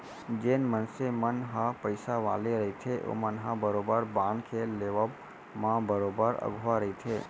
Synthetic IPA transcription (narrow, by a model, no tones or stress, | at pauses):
d͡ʒenmənsemənɦãpəjsaʋa̰leɾəɦit̪ʰeʔo̰mənɦãbəɾobəɾbaɳkʰeleʋab | mãbəɾobəɾə̰ɡʱʋaɾəɦit̪ʰe